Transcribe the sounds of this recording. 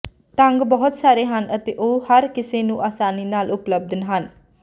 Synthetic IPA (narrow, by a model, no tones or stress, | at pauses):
ʈəŋɡbɔɦʊt̪saːɾeːɦənət̪eːʔoːhəɾkɪseːnũːʔaːsaːniːnaːlʔʊpləb̚d̪nɦən